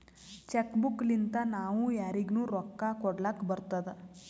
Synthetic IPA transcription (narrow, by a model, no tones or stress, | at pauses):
t͡ʃekbuklint̪anaʋũjaɾiɡnũːɾɔkːakɔɽlakbəɾt̪ad̪